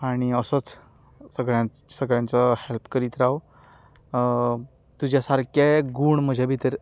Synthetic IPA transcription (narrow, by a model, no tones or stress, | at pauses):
aɽ̃iəsət͡s | səɡɭjãsəɡɭjãnt͡səhelpkəɾit̪ɾaw | t̪ud͡ʑjasaɾkeɡuɳm̤əd͡ʑʱabʱit̪əɾ